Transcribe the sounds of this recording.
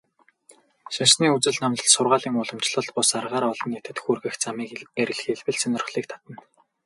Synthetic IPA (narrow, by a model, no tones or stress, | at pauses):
ʃinsniːut͡sɘ̆ɮnamt̪ə̆ɮsʊrʁaːɮiːŋʊɮə̆mt͡ɕɮə̆ɮt̪̚pʊsarʁaːɾɔɮɞ̆net̪ɘ̆t̪xuːrɣɘ̆xt͡samiːkeɾʲɘ̆ɮxeɮwɘ̆ɮsœnɵ̆rχɮiːk̚t̪ʰḁt̪ə̆n